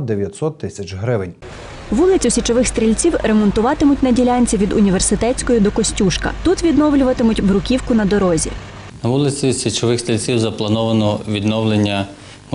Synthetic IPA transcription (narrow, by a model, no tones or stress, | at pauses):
d̪eʋʲjɐt̪ʲsɔt̪ːɪsʲɐt͡ʃɦɾɪʋɪnʲ | ʋulˠɪt͡sʲʊsʲit͡ʃɔʋɪxst̪ɾʲilʲt͡sʲiwɾemɔnt̪ʊʋɑt̪ɪmʊtʲnɐdʲilʲɑnʲt͡sʲiʋʲid̪ʊnʲiʋersɪt̪ɛt͡sʲkɔjid̪ɔkɔsʲtʲuʃkɐ̰t̪ut̪ʋʲid̪nɔwlʲʊʋɐt̪ɪmʊtʲbɾʊkʲiwkʊnɐd̪ɔɾɔzʲḭ | nɐʋulˠɪt͡sʲisʲit͡ʃɔʋɪxst̪ɾʲilʲt͡sʲiwzɐplˠɐnɔʋɐnɔʋʲid̪nɔwlˠenʲːɐ